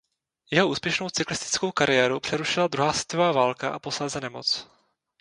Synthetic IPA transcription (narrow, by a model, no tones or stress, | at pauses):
jɛɦoʔuːspjɛʃnowt͡sɪklɪst̪ɪ̥t͡skowkaɾɪjɛːɾupr̥ɛɾuʃɪlad̪ɾuɦaːsvɛt̪ovaːvaːlkaʔa̰poslazɛnɛmo̰t͡s